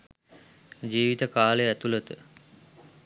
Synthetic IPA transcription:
d͡ʒiːʋit̪əkaːleæt̪ulət̪ə

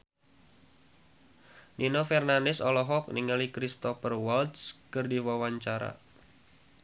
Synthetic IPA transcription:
nʔinɔfɛrnanɪsɔlɔɦɔk̚niŋəlikɾist̪ɔfərwalt̪skɨrdiwawaɲt͡ʃaɾa̰

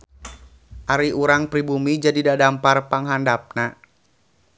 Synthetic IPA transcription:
ʔaɾiuɾaŋpɾibumid͡ʒadidadamparpaŋɦandap̚na

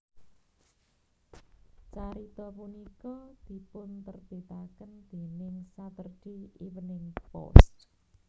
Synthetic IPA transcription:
t͡ʃaɾit̪ɔpunikɔd̪̥i̤pʊnt̪ərbet̪akənd̪̥e̤nɪŋsat̪ərɖ̪̥iiwənɪŋpɔ̰st̪

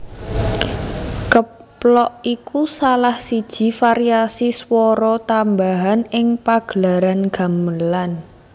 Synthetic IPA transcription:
kə | plɔʔikʰusalahsid̥ʒ̥i̤faɾiasiswɔɾɔt̪ambaɦanɪŋpaɡ̥əlaɾanɡ̥a̤məlan

